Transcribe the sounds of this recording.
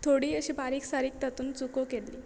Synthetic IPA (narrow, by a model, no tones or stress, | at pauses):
t̪ʰoɽiːəɕibaɾiːksaɾiːk̚t̪at̪uːnt͡sukokelliː